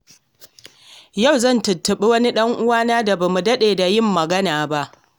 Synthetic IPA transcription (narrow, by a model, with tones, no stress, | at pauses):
ja˦˨wzɐ˦˨ntʊ˨tːɐ˨ɓi˦wɐ˦ni˦ɗɐ˦ŋʔʊ˦waː˦naː˦da˨ba˨mu˨dɐ˦ɗeː˨da˨jɪ˦˨mːɐ˨ɡɐ˦naː˨ba˦ʔ